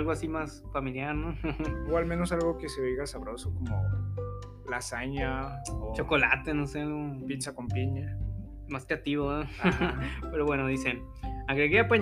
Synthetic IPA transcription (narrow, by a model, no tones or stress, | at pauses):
lɣoasimas | familjaɾnooalmẽnosalɣokeseβeɣasaβɾosokomo̰ | lasaɲaot͡ʃo̞ko̞la̰t̪e̞no̞sealɣopit͡ʃakompiɲa | maskeat̪iβo | pe̞ɾoβwe̞no̞ðise̞n | aɣɾe̞ɣeapaɲ